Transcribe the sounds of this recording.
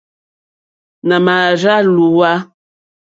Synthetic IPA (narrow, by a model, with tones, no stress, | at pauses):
na˨ma˨ʒa˦lu˨wa˦